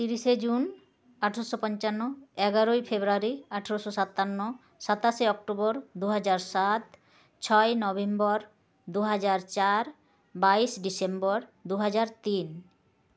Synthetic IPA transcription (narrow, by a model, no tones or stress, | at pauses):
t̪iɾiʃed͡ʑun | aʈʰaɾoʃopɔnt͡ɕanːoɛɡaɾojfebɾoaɾiaʈʰaɾoʃoʃat̪ːanːo | ʃat̪aʃeɔk̚ʈobɔɾd̪uɦad͡ʑaɾʃat̪ | t͡ɕʰɔenɔbembɔɾ | d̪uɦad͡ʑaɾt͡ɕaɾ | baiʃɖisembɔɾd̪uɦad͡ʑaɾt̪in